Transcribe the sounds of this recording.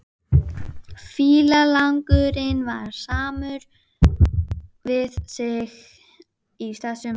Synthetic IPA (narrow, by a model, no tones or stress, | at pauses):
fiːlalaŋkʏɾɪnvaɾ̥saːmʏɾ | vɪðsɪx | isθɛsʏ